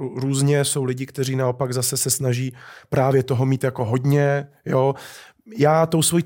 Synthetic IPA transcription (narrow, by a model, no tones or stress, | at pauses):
ɾuːzɲɛso̞wlɪɟɪkt̪ɛriːnaopaɡzasɛsɛsnaʒiːpɾaːvjɛt̪o̞ɦo̞miːt̪jako̞ɦo̞dɲɛ | joː | jaːt̪owsvoji